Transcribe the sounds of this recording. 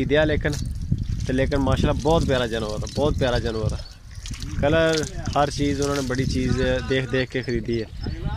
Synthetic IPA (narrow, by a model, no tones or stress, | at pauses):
iːd̪jaːleːkənt̪eːleːkənmaːʃaːlbɔːt̪pjaːɾaːd͡ʒənʋəɾːbɔːt̪̚pjaːɾaːd͡ʒənːəɾɛː | kələɾhəɾt͡ʃiːzʊnãːneːbəɽiːt͡ʃiːzd̪eːkʰd̪eːkʰkeːkʰəɾiːd̪iːɦɛː